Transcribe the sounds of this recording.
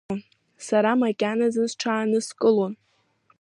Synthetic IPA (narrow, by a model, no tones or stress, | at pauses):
n | saɾamakʲʼanazɨnzʈ͡ʂʰaːnɨskʼɨlon